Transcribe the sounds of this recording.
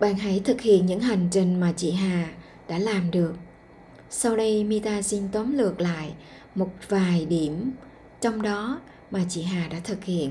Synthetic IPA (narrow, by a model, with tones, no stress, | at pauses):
ɓa̰ː˧˨˩nɦə˨˧˦jt̪ʰɨ˨˩k̚hḭ˧˨ənɲɨ̰˧˥ŋɦa˨˩jŋ̟t͡ɕï˧˩ŋ̟maː˨˩t͡ɕḭ˧˨ɦaː˨˩ | ɗa̰ː˧˥laː˨˩mɗɨ˨˩ək̚ | sa˧wɗə˧jmi˧t̪aː˧si˧nt̪ə˨˦mlɨ˨˩ək̚la̰ː˧˨jʔ | mo˨˩t̚vaː˨˩jɗi˧˩əm | t͡ɕɔ˧wŋ͡mɗɔ˨˦ | maː˨˩t͡ɕḭ˧˨ɦaː˨˩ɗa̰ː˧˥t̪ʰɨ˨˩k̚hḭ˧˨ən